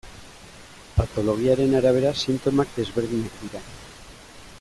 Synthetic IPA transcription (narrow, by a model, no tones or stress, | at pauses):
pat̪o̞loɣ̞jaɾenaɾaβ̞eɾasint̪omakdezβeɾðinek̚d̪iɾan